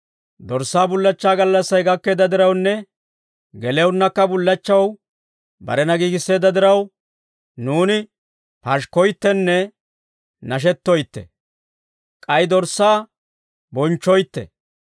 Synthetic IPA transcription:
d̪ɔɾsːaːbʊlːɐt͡ʃːaːɡɐlːɐsːɐjɡɐkːe̞ːd̪ɐd̪ɪɾɐwnːɛ | ɡɛlɛwnːɐkːɐbʊlːɐt͡ʃːɐw | bɐ̰ɾɛnɐɡiːɡɪsːe̞ːd̪ɐd̪ɪɾɐw | nuːnɪ | pɐʃkːɔjt̪ːɛnːɛ | nɐʃ̬ɛt̪ːɔjt̪ːɛ̰ | kʼɐjd̪ɔɾsːaː | bɔnt͡ʃːɔjt̪ːɛ̰

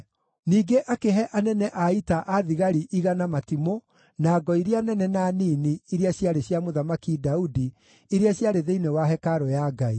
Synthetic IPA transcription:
niːɡeʔakeɦɛʔanɛnɛʔaitaʔaðiɣaɾiʔiɣanamatimo | naːɡɔiɾianɛnɛnaniniiɾiaɕjaɾeɕjamoðamakidaudi | eɾeaɕjaɾeðeinewaɦɛkaɾɔjaɡai

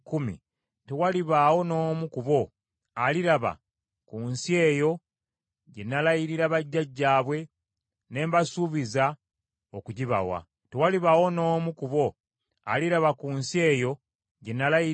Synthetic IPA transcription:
kumḭ | tewaliβawo̞no̞ːmukuβo̞ | aliɾaβa̰ | kunsie̞ːjo̞ | ɟe̞nːalajiɾiɾaβaɟːaɟːaːβwe̞ | ne̞ːmbasuβiza | okuɟiβa̰wa̰ | tewaliβawo̞no̞ːmukuβo̞ | a̰liɾaβakunsie̞ːjo̞ | ɟe̞nːalaji

